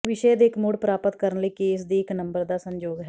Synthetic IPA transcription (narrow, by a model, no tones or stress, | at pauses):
ʋɪʃeːd̪eːkmʊɽpɾaːpət̪kəɾənləiːkeːs̬d̪iːɪknəmbəɾd̪aːsəɲd͡ʒoːɡɦɛː